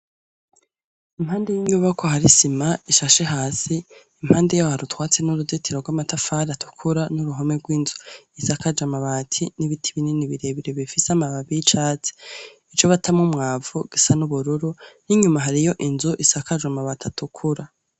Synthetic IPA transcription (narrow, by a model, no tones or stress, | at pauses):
imhaːndejiɲuːβako̞ɦaɾisimaiʃaʃe̞ɦaːsiː | m̥haːndejohaɾutwaːt͡se̞nuɾudetʰiɾoɡwaːmatafaɾatʰu̥kʰuɾanuɾuɦomeɡwiːnzuisakad͡ʒamaβatʰiniβitʰiβininiβiɾeβiɾeβifisamaβaβit͡ʃaːt͡se̥ | it͡ʃoβatʰamŋumŋaːvuɡ̥isanuβuɾuɾuniɲumaɦaɾijo̞ʔinzuʔisakad͡ʒamaβatʰatukʰuɾa